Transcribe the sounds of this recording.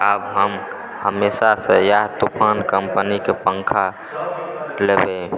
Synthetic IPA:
əbɦəm | həmesasəjaɦt̪upʰankəmpənikepəŋkʰa | lebe

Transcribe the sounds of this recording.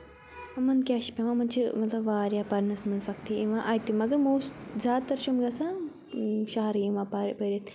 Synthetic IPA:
ɐmɐnkʲaːʃpʲẽʋãmɐnt͡ʃʰimɐt̪lɐbʋaːɾjapɐɾnɐsmɐnsɐkt̪ʰiiʋãʔɐjt̪imɐɡɐɾmoːstzʲaːd̪̚t̪ɐɾʃumɡɐsã | ʃaɦɐɾiʋãːpɐpɐɾit̪

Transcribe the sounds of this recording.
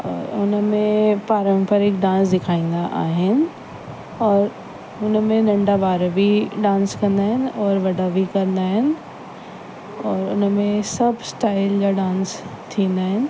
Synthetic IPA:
ɔːɾʊnəmẽpaːɾə̃mpəɾɪkɖãːnsd̪ɪkʰaːĩːnd̪aʔa̰ːɦɪnɪ̆ | ɔːɾ | ʊnmẽnɐ̃ɳɖabaːɾbʱiɖãːnskɐ̃nd̪aːɦɪnɪ̆ɔːɾʋɐɖabʱikɐɾə̃nd̪aːɦɪnɪ̆ | ɔːɾʊnmẽsɐbʱsʈaːɪld͡ʑaɖãːnst̪ʰĩːnd̪aːɦɪnɪ̆

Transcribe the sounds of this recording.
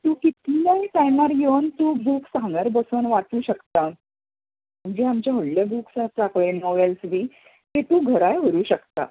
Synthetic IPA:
t̪ũːkit̪lajt̪ajnaɾjewnt̪uːbʱuːksãŋɡaɾbəsənʋat͡suːɕəkt̪a | m̤əɳd͡ʑeamt͡ɕjaɦoɽljəbʱuksat͡sakɭenɔʋelsʋiː | t̪et̪uːɡʱəɾajɦəɾuːɕəkt̪a̰

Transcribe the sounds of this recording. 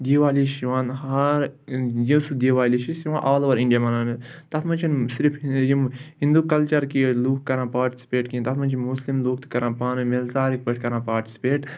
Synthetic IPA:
d̪iːʋaːliʃiʋãːnɦɐɾjisud̪iːʋaːliʃiʃiʋãːʔaːloːʋɐɾĩɳɖijamɐnaːnit̪ɐt̪ʰmɐ̃nt͡ʃʰinsiɾipʰjimhĩnd̪ukɐlt͡ʃɐɾkiluːk̚kɐɾãːpaːɾʈi̥si̥peːʈkĩnt̪ɐt̪ʰmɐnʲt͡ʃʰinmuslimluːk̚t̪kɐɾãːpaːnɨmelzaːɾik̚pɐʈʰkɐɾãːpaːʈi̥si̥peːʈ

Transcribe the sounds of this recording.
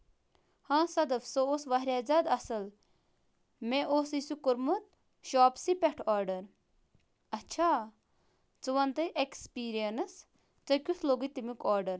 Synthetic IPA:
hãːsɐd̪ɐfsooːsʋaɦɾʲaːzaːd̪ɐsɐl | mẽʔoːsisukuɾmut̪̚ | ʃɔːpsipɛʈʰɔːɾɖɐɾ | ɐtːt͡ʃʰaː | t͡sɨʋɐnt̪ɐʔekspiːɾijɐnɐs | t͡sɐkʲusʰloːɡit̪imikɔːɾɖɐɾ

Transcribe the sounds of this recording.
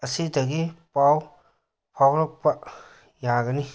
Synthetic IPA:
ɐsidɐɡipaw | pʰawɾɔk̚pɐ | jaɡɐni

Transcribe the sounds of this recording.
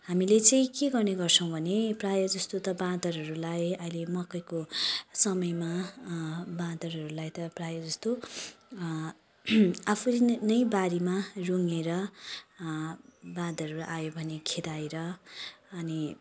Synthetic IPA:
hamilet͡saĩkeɡʌrneɡʌrt͡sʰʌ̃w̃bʱʌneprajʌd͡zʌst̪ot̪ʌbãd̪ʌɾɦʌɾulajʌilemʌkːʌjkosʌmʌjma | bãd̪ʌrɦʌɾulajt̪ʌprajʌd͡zʌst̪o | apʰulnʌjbaɾimaruŋeɾʌ | bãd̪ʱʌɾuʔajobʱʌnekʰed̪ajɾʌː | ni

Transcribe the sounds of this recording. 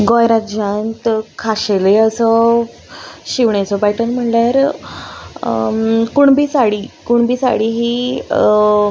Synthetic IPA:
ɡɔjɾat̪d͡ʑãnt̪kʰaɕeleəsə | ɕiʋɳet͡sɔpajʈənm̤əɳljaɾ | kuɳbiːsaɽiːkuɳbiːsa̰ɽiɦiː

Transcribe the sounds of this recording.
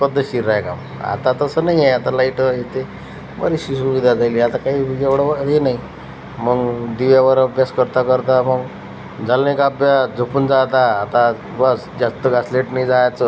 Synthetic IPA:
pəd̪ʱːəɕiɾajkam | a̰t̪at̪əsənaɦieat̪alaiʈəɦet̪e | bə̰ɾiɕisuʋid̪ʱad͡zaliːat̪akaɦid͡ʑeʋɽəʋəɦenai | məɡd̪iʋjaʋəɾəbʱjaskəɾt̪akəɾt̪aməɡ | d͡zalnẽkabjad͡zəpuːnd͡zat̪aːt̪a | basd͡zast̪əɡasleʈnaid͡zajat͡sə

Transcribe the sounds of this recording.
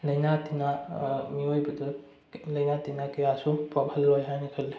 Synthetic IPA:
lɐjnatinamiojbɐdɐ | lɐjnatinakejasupɾɔbʰʱɐlːojɦajnɐkʰɐlːi

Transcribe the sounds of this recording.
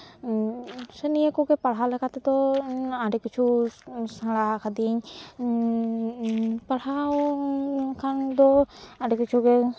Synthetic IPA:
sɛniekɔɡɛpaɽɦalɛkʰat̪ɛt̪ɔaɖɛkit͡ʃʰusãɽakʰad̪iɲ | paɽɦa | kʰand̪ɔaɖɛkit͡ʃʰuɡɛ

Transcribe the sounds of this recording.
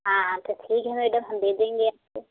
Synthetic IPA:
ɦãːt̪oʈʰiːkɦɛmeːɖəmɦɐmd̪eːd̪ẽːŋɡeaːp̚se

